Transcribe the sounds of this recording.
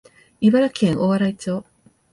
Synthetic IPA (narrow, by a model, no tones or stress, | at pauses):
iβaɾakẽŋʔoβaɾait͡ɕoː